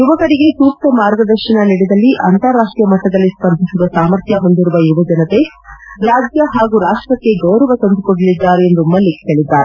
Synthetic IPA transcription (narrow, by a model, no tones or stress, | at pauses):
juʋɐkɐɾiɡe̞t̪uːp̚t̪ɐmaːɾɡɐd̪ɐɾʃɐnɐniɽid̪ɐlːiʔɐ̰nt̪ɐɾaːʂʈɾijɐmɐʈːɐd̪ɐlːispɐnd̪ʱisid̪ɐsaːmɐɾt̪ʰjɐɦo̞nd̪iɾuʋɐjuʋɐd͡ʒɐnɐt̪e̞ | ɾaːd͡ʒjɐɦaːɡuːɾaːʂʈɾɐkːe̞ɡɐwɾɐʋɐt̪ɐnd̪ukoɽɐlid̪ːaːɾeend̪umːɐlːik̪eːɭid̪ːaːɾe